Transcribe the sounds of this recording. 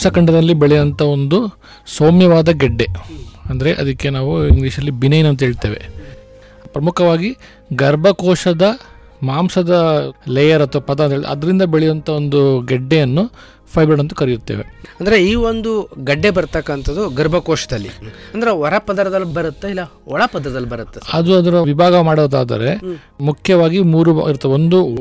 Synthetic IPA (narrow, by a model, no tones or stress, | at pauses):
sɐkɐɳɖɐd̪ɐlːibeɭɛjɐnt̪ʰɐo̞nd̪u | soːmjɐʋaːd̪ɐɡɛɖːe̞ɐnd̪ɐɾeʔɐd̪ɐkːe̞naːʋuiŋɡliːʂɐlːibinɐjnɐnt̪ɐɦeːɭt̪eːʋḛ | pɾɐmukʰɐʋaːɡi | ɡɐɾbʱɐkɔːʂɐd̪ɐ | maːmsɐd̪ɐlɛːjɐɾɐt̪ːɐʋpɐd̪ɐnt̪ɐeɭt̪ːɐ̰d̪ɐɾind̪ɐbeɭɛjɐnt̪ʰɐo̞nd̪uɡɐɖːejɐnːu | pʰɐjbɾɐɽɐnt̪ɐ̥kɐɾijut̪ːḛːʋeɐnd̪ɐɾeiːʋond̪uɡɐɖːebɐɾt̪ɐkːɐnt̪ʰɐd̪uɡɐɾbʱɐkɔːʂɐd̪ɐlːḭɐnd̪ɐɾeɔɾɐpɐd̪ɐɾɐd̪ɐlːbɐɾut̪ːeilːɐ | ɔɭɐpɐd̪ɐɾɐd̪ɐlːbɐɾut̪ːeɐd̪uɐd̪ɐɾɐʋibʱaːɡɐmaːɽid̪aːd̪ɐ̰ɾe | mukʰjɐʋaːɡimuːɾuiɾt̪ːɐʋeond̪u